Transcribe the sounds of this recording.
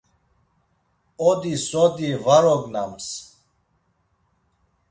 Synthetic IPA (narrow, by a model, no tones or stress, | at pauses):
ɔd̪isɔd̪ivaɾɔɡnams